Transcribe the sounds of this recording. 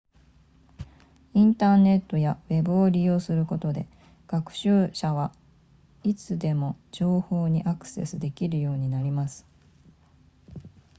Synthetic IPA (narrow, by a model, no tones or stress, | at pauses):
ĩnt̪aːne̞t̪ːo̞jawe̞bɯ̟o̞ɾʲijo̞ːsɨɾɯ̟ko̞t̪o̞d̪e̞ | ɡ̥akɯ̟̥ɕɨːɕaβ̞a | it͡sɨd̪e̞mo̞d͡ʑo̞ːho̞ːɲ̟iʔakɯ̥se̞̰sɨd̪e̞kʲiɾɯ̟jo̞ːɲ̟inaɾʲimasɨ̥